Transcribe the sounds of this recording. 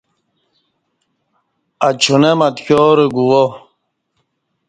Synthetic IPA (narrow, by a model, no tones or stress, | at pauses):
at͡ɕʰunemɐt̪koːɾeɡuwo